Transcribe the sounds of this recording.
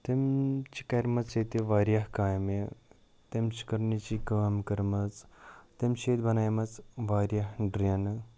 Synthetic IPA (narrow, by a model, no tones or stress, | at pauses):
t̪emt͡ʃi̥kɐjɾmɐt͡set̪eʋaːɾjaɦkaːjme | t̪emt͡ʃi̥kəɾnit͡ɕikɐmkɐɾmɐt͡st̪emɕeːt̪bɐnajmɐt͡sʋaːɾjaɦɖɾjan